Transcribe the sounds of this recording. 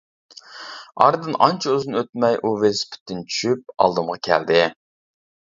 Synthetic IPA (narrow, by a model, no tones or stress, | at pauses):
ɑɾd̪ɨnʔɑnt͡ʃʰɐøzɨnøt̪̚mɛjʔuvespʰɪ̥t̪ʰːɪnt͡ʃʰy̥ʃyp̚ɑ̰lˠd̪ɨmʁɑkʲʰæ̰ld̪ɪ